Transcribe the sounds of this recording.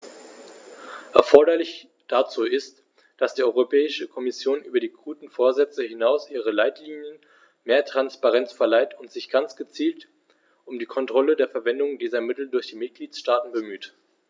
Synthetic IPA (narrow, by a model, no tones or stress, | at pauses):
ʔɛɐfɔɐɾɐlɪç | d̥at͡suːɪst | d̥asd̥iːʔɔʏʁopʰɛːɪʃəkʰɔmɪsjoːnʔyːbɐdiːɡʁuːtn̩foːɐzɛt͡səɦɪnaʊsʔiːʁ̞əlaɪtliːnjən | meːɐtʁ̥anspaʁɛnt͡sfɛɐlaɪtʊntz̥ɪçɡ̥ant͡sɡ̥ət͡siːlt | ʔʊmdiːkʰɔntʁ̥ɔlədeːɐfɛɐvɛndʊŋdiːzɐmɪtl̩dʊɐçd̥iːmɪt̚ɡ̥liːtʃtaːtn̩bəmyːt